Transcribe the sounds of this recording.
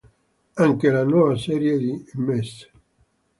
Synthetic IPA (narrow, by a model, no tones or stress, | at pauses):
aŋkelanwɔːvasɛːɾjed̪imɛs